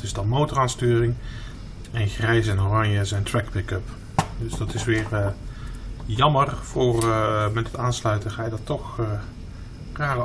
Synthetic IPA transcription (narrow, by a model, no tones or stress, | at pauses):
tɪsdɑnmowtəraːnstyːrɪŋ | ɛnχrɛjs̬ɛnorɑɲjəzɛjntɹɛkpɪkɵp | dɵsd̥ɑtɪsʋɪːr | jɑmərv̥ʊːrmɛtətaːnslœɥtəχaːjədɑtːɔx | raːrə